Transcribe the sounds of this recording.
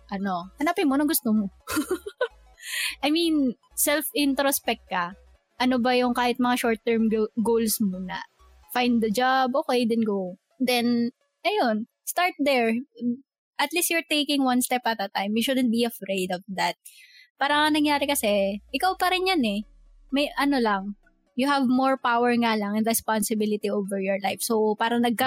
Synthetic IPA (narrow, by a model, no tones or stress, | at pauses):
ʔɐno̞hɐnaːpɪnmonɐŋɡʊst̪omo | ʔɐjmin | sɛlfɪnt̪ɾospɛk̚t̚kːɐ | ʔɐnobɐjʊŋkaːhɪt̪̚mɐŋaʃoɹt̪̚ːɛɹmɡowlsmonɐ̰ | fajnd̪̚d̪ɐd͡ʒabʔoːkejd̪ɛnɡow | d̪ɛn | ʔɐjon | st̪aɹt̪̚d̪ɛɹ | ʔɐt̪listjʊɹt̪ejkɪ̃ŋwɐnst̪ɛpɐt̪̚d̪ɐt̪ãjmjuʃʊd̪ɛ̃n̚biɐfɹejd̪ɔvd̪ɐt̪̚paːɾɐŋɐnɐŋjaːɾɛkɐsɛʔɪkawpɐɾɪnjanɛ | mɐjʔɐnolɐŋ | jʊhɐvmɔɹpawɛɹŋalɐŋɛnɾɛspansɪbɪlɪt̪ioːvɛɹjɔɹlajfsowpaːɾɐŋnɐɡ̚kɐ